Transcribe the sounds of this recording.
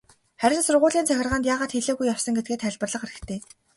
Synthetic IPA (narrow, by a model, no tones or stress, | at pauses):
χæɾʲɪ̆ɮsʊrʁʊːɮiːnt͡sʰœxʲɪrʁaːnt̪jaːʁaːt̪xeɮeːɣujːawsə̆ŋɡet̪̚ɡeːt̪χæɮʲpə̆rɮə̆χaɾɣɘ̆kt̪ʰeː